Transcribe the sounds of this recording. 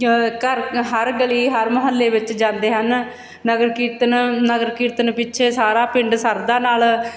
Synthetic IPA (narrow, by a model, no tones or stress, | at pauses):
kəɾɦəɾɡəliːɦəɾməɦəlːeːʋɪt͡ʃd͡ʒãːnd̪eːɦən | nəɡəɾkiːt̪nnəɡəɾkiːt̪ənpɪt͡ʃːʃʰeːsaːɾaːpɪɳɖsəɾd̪aːnaːl